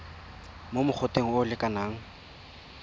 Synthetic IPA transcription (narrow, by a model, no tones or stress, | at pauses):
momʊχʰoteŋ̩ʊlɪkʼanaːŋ̩